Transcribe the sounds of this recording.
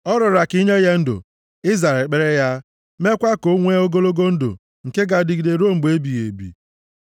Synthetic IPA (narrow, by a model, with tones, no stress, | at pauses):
ɔ˦ɾʊ˨ɾa˨ki˦ɲe˦je˦n̩˦dʊ̰˨ | ɪ˦za˨e˨lk͡pe˨ɾe˦ja˦ | me˦kʷa˦ko˦ŋʷe˦o˦ɡo˦lo˦ɡo˦n̩˦do̰˨ | ŋ̩˨ke˦ɡa˨dɪ˨˦ɡi˨de˨ɾo˦m̩˨ɡ͡be˦bi˨ɣḛ˨bḭ˨